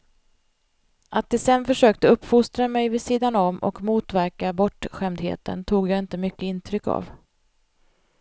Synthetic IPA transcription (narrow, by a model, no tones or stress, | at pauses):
ʔat̪̚d̪ɛsɛnfœʂøːkt̪əɵpːfʊst̪ɾamɛjvɪsiːd̪anɔmʔɔ̰kmuːt̪væɾkabɔʈːɧɛmd̪hḛːt̪ə̰nt̪ʰuːɡjaɪnt̪əmʏkːəɪnt̪ʰɾʏkːa̰v